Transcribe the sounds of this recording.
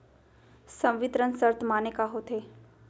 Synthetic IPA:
sɐ̃mʋɪt̪ɾənsəɾt̪ʰmaːnekaɦot̪ʰeː

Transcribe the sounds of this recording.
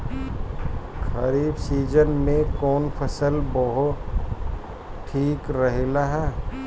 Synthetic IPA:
xəɾiːbsiːd͡ʒənmẽkɔːnpʰəsəlbɔɦʊt | ʈʰːiːkɾɐɦelaɦɛː

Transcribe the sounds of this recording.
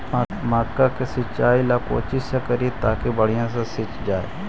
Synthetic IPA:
a | maːkːãkesɪt͡ʃːaːilaːko̰ːt͡ʃɪsakəɾiet̪a̰ːkebəɽɪjãːsãsɪt͡ʃd͡ʒaːḛː

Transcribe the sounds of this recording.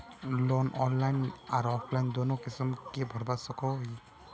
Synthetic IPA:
lɔnʔɔnlajnaɾɔpʰlajnd̪ɔnokisimkebʱɔɾbasɔkʰɔwj

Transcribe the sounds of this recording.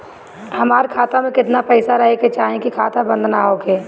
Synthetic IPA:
hɐmaːɾkʰaːt̪amẽkɪt̪napɛːsaɾɐɦeket͡ʃaːɦẽkikʰaːt̪abə̃nd̪ʱnaɦoːkeː

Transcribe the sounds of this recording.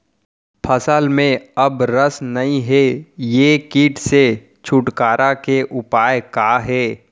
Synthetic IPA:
pʰɐsəlmẽɐbɾəsnɐɦĩɦɛjeːkiːʈʰse | t͡ʃʰʊʈkaːɾʔakeʔʊpaːjkaːɦɛː

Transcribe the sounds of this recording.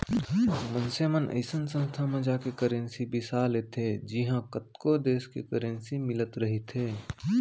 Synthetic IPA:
mɐnsemənʔə̰ɪsənsə̃nst̪ʰamẽd͡ʒaːkekəɾẽnsibɪsaːlet̪ʰed͡ʒɪɦãkət̪kod̪eːskekəɾẽnsimɪlət̪ɾɐɦit̪ʰeː

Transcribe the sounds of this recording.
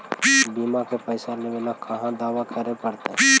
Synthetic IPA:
biːmakepəɪsaleʋenakʰəɦãd̪aːʋakəɾepəɽt̪e

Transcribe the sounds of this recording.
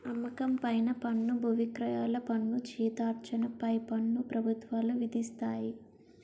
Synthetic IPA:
ɐmːɐkɐmpɐjnɐpɐnːubʱuʋikɾɐjaːlɐpɐnːut͡ʃiːt̪aːɾt͡ʃɐnɐpɐjpɐnːupɾɐbʱut̪ʋaːluʋid̪ʱist̪aːji

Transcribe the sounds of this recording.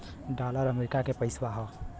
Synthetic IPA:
ɖaːləɾəmeɾɪkakepəɪswaɦɔ

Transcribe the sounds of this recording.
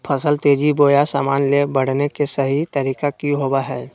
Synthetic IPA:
pʰəsəlt̪eːd͡ʒiboːjasa̰ːmaːnlebəɽ̤nekesəɦit̪əɾiːkakiɦoːbaɦɛː

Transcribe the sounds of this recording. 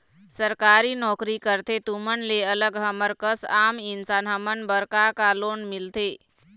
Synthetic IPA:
səɾkaɾinɔːkɾikəɾt̪ʰet̪umənleələɡɦəməɾkəsaːmɪnsaːnɦəmənbəɾkakaloːnmɪlt̪ʰe

